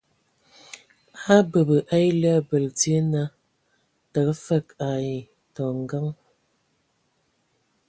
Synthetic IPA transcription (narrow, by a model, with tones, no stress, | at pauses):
a˦bə˨bə˨ʔa˦jlə˦˨bə˨ltje˦na˦ | tə˨kfə˦˨ka˨i˨ | tɔ˨ŋɡa˦ŋ